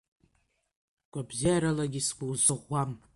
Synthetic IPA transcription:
ɡʷʼabzaaɾalaɡʲisɡʷʼuwzɨʁʷːam

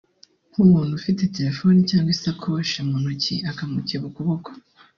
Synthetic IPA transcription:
humuːn̥hufite̞te̞ɾe̞fo̞nicaːŋɡwisakʰoʃamonuciakamuciβukuβoko

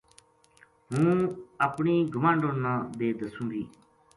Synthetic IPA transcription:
ɦũːəpɳiːɡʱʊmãːɳɖõːnəːd̪eːd̪əsũːnd̪iː

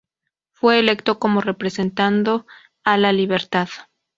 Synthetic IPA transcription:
fwe̞ːle̞kt̪o̞ko̞more̞pɾe̞se̞nt̪and̪o̞ | alaliβe̞ɾt̪að

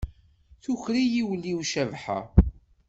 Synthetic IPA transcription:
θuçɾijiwlːiwʃævħa̰

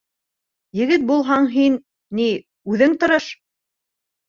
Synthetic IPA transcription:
jɘ̆ɡɘt̪̚bulˠɦɑɴɦinː | i | ʉðɘŋt̪ŏɾɤʃ

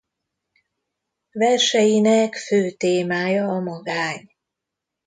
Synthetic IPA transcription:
vɛrʃɛjinɛkføːt̪eːmaːjɒːmɒɡaːɲ

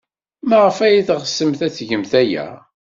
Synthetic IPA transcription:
mæʁəfæjiθʁəsːəmθæt͡sːʝəmθæjæ̰

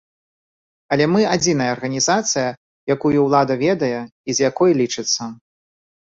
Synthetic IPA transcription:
ɐlʲɛmɨad͡zʲinɐjɐːrɣɐnʲizat̪sɨjɐ | jakujuwlˠad̪ɐvʲɛd̪ɐjɛizjakɔjlʲit͡ʂɨt̪sːɐ

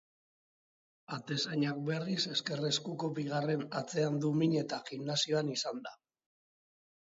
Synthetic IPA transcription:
at̪e̞saɲak̚be̞rise̞ske̞re̞skuko̞biɣ̞are̞nat͡se̞and̪umiɲe̞t̪aʝiɣnasio̞anisand̪a

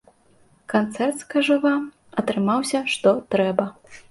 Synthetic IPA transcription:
kant̪sɛrt̪skaʐɐvam | ɐt̪ɾɨmawsʲɐʂt̪ɔt̪ɾɛbɐ

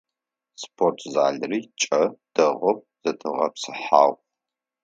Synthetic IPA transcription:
spʰortʰzaːɮriːt͡ʃʼɐd̥ɐʁɔp̚ | z̥ɐtʰɨʁɐ̰psɨħa̰ːʁʷ

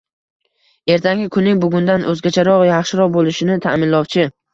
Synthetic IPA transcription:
e̞ɾt̪ʰaŋɡʲɪkʰʊnːɪŋbʊɡʲʊnd̪anʔɵzɡʲat͡ʃʰaɾɒʁjɑχʃɪɾɒʁbolˠɪʃɪnɪt̪ʰa̰mɪnlɒwt͡ʃʰɪ

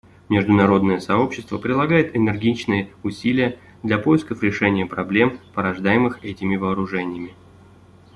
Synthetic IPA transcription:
mʲɪʐd̪ʊnɐɾo̞d̪nəjəsɐo̞pɕːɪst̪vəpɾʲɪdlˠɐɡajɪt̪ɪnɨrɡʲit͡ɕnɨjəʊsʲilʲɪjə | d̪lʲɐpo̞jɪskəfɾʲɪʂɛnʲɪjəpɾɐblʲe̞mpəɾɐʐd̪ajɪmɨxɛtʲɪmʲɪvɐːɾʊʐɛnʲɪjəmʲɪ

